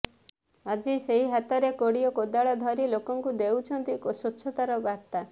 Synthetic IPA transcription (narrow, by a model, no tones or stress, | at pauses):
ad͡ʒiseɦiɦat̪ɔɾekoɽijɔkod̪aɭad̪ʱɔɾilokɔŋkud̪ewt͡ʃʰɔnt̪ikɔsɔtːt͡ʃʰɔt̪aɾɔbat̪a